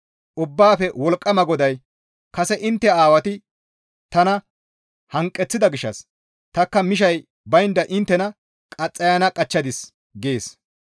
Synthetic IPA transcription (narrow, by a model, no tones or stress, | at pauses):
ʔʊbːaːfɛwɔlkʼːɐmɐɡɔd̪ɐj | kɐsɛʔɪnt̪ːɛaːwɐt̪ɪ | t̪ɐnɐ | hɐŋkʼːɛt͡sːɪd̪ɐɡɪʃːɐ̰s | t̪ɐkːɐmɪʃ̬ɐj | bɐjnd̪ɐʔɪnt̪ːɛnɐ | kʼɐt͡sʼːɐjɐnɐkʼɐt͡ʃːɐd̪ɪs | ɡeːs